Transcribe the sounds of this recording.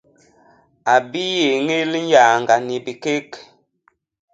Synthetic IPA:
a˨bi˦je˨ŋe˦lɲ˦ja˨ŋ˨ɡa˨ni˨bi˨ke˦k

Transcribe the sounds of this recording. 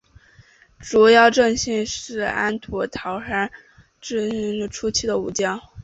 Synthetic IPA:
ʈ͡ʂu˨˩jɑ˥˧ʊʈ͡ʂɤ˥˧ŋɕi˥˧nʂɻ̩˥˩a̰˥nt̪ʰɔ˧˥t̪ʰɑ˧˥ʊʂa˥ | ʈ͡ʂɻ̩˥˧˥ŋɻ̩˥˩ʈ͡ʂʰu˥t͡ɕʰi˥˩d̪ə˩u˨˧˩t͡ɕjɑ˥˩ŋ

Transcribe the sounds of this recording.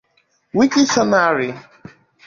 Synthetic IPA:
wi˦ki˦sɔ˦na˦˨ɾi˨

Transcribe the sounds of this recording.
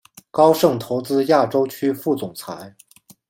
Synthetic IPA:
kɑ˥ʊʂɤ˥˩ŋt̪ʰo˧˥ʊt͡sɹ̩˥ja˥˩ʈ͡ʂo˥ʊt͡ɕʰy˥fu˥˩t͡sʊ˨˩ŋt͡sʰa˧˥ɪ

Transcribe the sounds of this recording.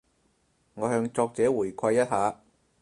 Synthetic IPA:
ŋɔː˨˧ɦœː˧ŋt͡sɔː˧k̚t͡sɛː˨˥wuː˨˩jkʷʰɐ˧jːɐ˥t̚haː˨˧

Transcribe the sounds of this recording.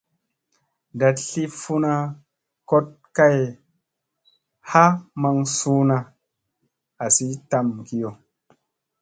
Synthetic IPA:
da˨tɬi˦fu˦na˦ | ko˦t̚ka˦j | ha˦ma˨ŋsu˦na˨ | a˨si˦ta˨mki˦jo˨

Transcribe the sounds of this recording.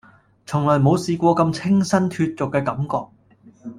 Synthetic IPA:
t͡sʰʊ˨˩ŋlɔː˨˩jmo˨˧wsiː˨˧kʷɔː˧kɐ˧mt͡sʰɪ˥ŋsɐ˥nt̪ʰyː˧t̚t͡sʊ˨kːɛː˧kɐ˨˧˥mkɔː˧k̚

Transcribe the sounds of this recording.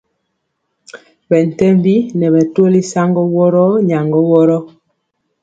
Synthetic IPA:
bɛ˨n̩˨tɛ˦mbi˦nɛ˨βɛ˨two˦li˦sa˦ŋɡɔ˦wɔ˦ɾɔ˦ɲa˨ŋɡɔ˦wɔ˦ɾɔ˦

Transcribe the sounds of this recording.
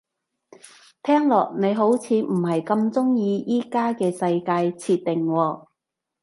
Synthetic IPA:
t̪ʰɛː˥ŋlɔː˨˩k̚ne˨˧jɦo˨˥wt͡sʰiː˨˧m̩˨˩ɦɐ˨jkɐ˧mt͡sʊ˥ŋjiː˧jiː˥kaː˥kɛː˧sɐ˧jkaː˧jt͡sʰiː˧t̪̚t̪ːɪ˨ŋwɔː˧

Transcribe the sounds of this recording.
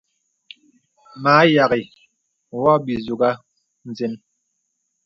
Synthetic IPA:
maː˨˦ja˨ɣi˨ | wɔ˦bi˨zu˨ɡa˦ | n̩˨d͡ze˦n

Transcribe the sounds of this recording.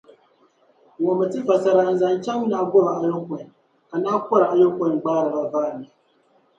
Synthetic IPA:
wɔ˨mɨ˨tɨ˦va˨sa˨ɾa˨n̩˨za˨n˦t͡ʃa˦ŋm˦na˨˦ɡɔ˦ba˨ʔa˨jɔ˦ŋ˦kɔ˨n˨ | ka˨naː˦kʷɔ˦ɾa˨ʔa˨jo˦kɔ˦˨ɡ͡baː˦ɾɨ˨ba˨baː˦˨nɨ˨

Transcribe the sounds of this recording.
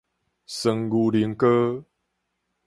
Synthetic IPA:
sə˨˩ŋɡu˨˩li˨˦ŋkə˦

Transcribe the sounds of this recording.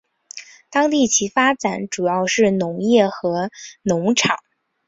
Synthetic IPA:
t̪ɑ˥ŋt̪i˥˩t͡ɕʰi˧˥fa˥t͡sa˨˩˥nʈ͡ʂu˨˩jɑ˥˧ʊʂɻ̩˥˩nʊ˧˥ŋjɛ˥˩xɤ˧˥nʊ˧˥ŋʈ͡ʂʰɑ˨˩˦ŋ

